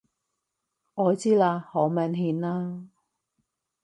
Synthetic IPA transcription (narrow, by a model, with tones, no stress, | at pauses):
ŋɔː˨˧t͡siː˥laː˧hoː˨˥mɐ˨˧nɦiː˨˧˥nlaː˥